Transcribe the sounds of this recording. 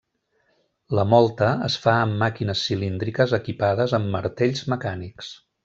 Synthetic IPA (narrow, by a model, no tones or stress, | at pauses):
ləmɔlˠt̪əəsfaəmːakinəsːilind̪ɾikəzəkipaðəzəmːəɾt̪eʎzməkaniks